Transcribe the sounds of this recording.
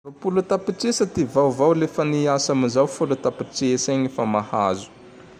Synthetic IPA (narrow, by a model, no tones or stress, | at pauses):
apulut̪apiʈ͡ʂesat̪ivawvawlefəniasamizawfulut̪apiʈ͡ʂeseɲifamahazu̥